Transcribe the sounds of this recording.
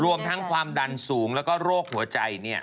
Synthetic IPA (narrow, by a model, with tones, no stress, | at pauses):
ɾu˧əmt̪ʰa˦˥ŋkʰwaː˧mda˧nsuː˩˦ŋlɛː˦˥wkɔː˥˩ɾoː˥˩k̚hu˩˦ɐt͡ɕa˧jni˥˩ɐ